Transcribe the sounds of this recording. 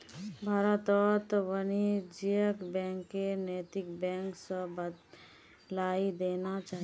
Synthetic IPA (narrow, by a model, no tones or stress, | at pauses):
bʱaːɾət̪ɔt̪ʋənid͡ʒijəkbɛ̃ːŋkːeneːt̪ɪkbɛ̃ːŋksəbəd̪ | laːid̪eːnat͡ʃaːɦi